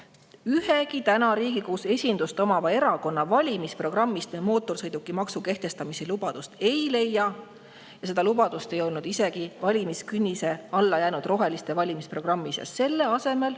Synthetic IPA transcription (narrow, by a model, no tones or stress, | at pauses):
yheɡit̪ænɑɾiːɡ̥ikuːse̞sʲind̪̥ust̪o̞mɑvɑe̞ɾɑko̞nːɑvɑlʲimispro̞ɡ̥rɑmːist̪memo̞ːt̪ːˑo̞rsɤjd̪̥ukːˑimɑksuke̞ht̪e̞st̪ɑmiselub̥ɑd̪̥ust̪e̞jle̞jːɑ | jɑse̞d̪̥ɑlub̥ɑd̪̥ust̪e̞jo̞lnud̪ise̞ɡ̥ivɑlʲimiskynʲːise̞ɑlːɑjæːnud̪̥ro̞ɦe̞list̪e̞vɑlʲimispro̞ɡ̥rɑmːisjɑ̰sse̞lːe̞ɑse̞me̞l